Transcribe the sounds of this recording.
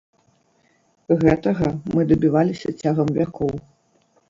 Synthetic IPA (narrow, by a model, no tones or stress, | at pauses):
ɣɛt̪ɐɣɐmɨd̪ɐbʲivalʲisʲɐ̰t͡sʲaɣɐmvʲakɔw